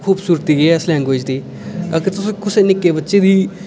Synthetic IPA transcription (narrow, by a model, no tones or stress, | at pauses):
kʰuːbsuːɾət̪iːɡeɛːslɛ̃ːŋɡoːd͡ʒd̪iː | əkəɾt̪ʊsõːkʰʊseːnɪkːeːbətːʃeːd̪iː